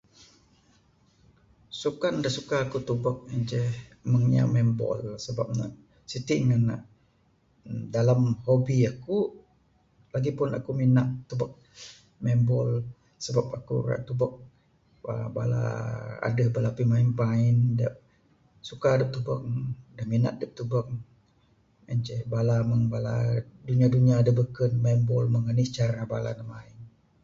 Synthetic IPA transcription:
sukaʔndaʔsukaːkut̪ubɔk̚əd͡ʒɛhməŋa̰mɛmbɔ̰lsəba̰p̚na̰ʔ | sit̪iʔŋanaʔ | dalamhobiaku | laɡipʊna̰kuminaʔt̪ubak̚ | mɛmbɔl | səbapakṵɾa̰ʔt̪ubək̚ | ba̰aba̰la̰a̰dəhbalapimainpaɪndaʔ̚ | sukadəp̚t̪ubə̰k̚dahmina̰ʔ̪̚dəp̚t̪ubək̚ | mant͡ʃɛbalaməŋbala̰duniaduniaːdəbəkənmɛmbɔlməŋənɪst͡ʃaɾanabala̰dəmaɪn

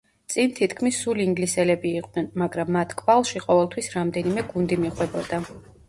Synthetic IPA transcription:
t̪sʼint̪ʰit̪ʰkʰmisːuliiŋɡlisɛlɛbiːqʼnɛnmaɡɾamːat̪ʰkʼvalˠʃiqʼɔvɛlˠt̪ʰwisɾamd̪ɛnimɛɡund̪imiχwɛbɔd̪a

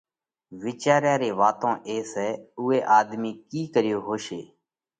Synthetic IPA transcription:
ʋɪːt͡ʃaːɾjãːɾeːʋaːt̪õːʔeːseːʊːeːʔaːd̪miːkiːkəɾɪjoːɦoːʃeː

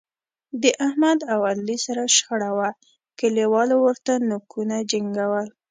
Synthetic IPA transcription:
d̪əʔahmad̪awad̪lisaɾaʃxaɽawa | kəliwɑlowəɾt̪anʊkʰunad͡ʒaŋɡawəl

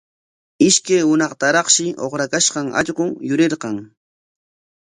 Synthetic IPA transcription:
ɪʃkajhʊnɑχt̪aɾɑχʃɪʔo̰χɾakaʃqɑŋa̰ʎɢʊŋjʊɾɪɾqɑŋ

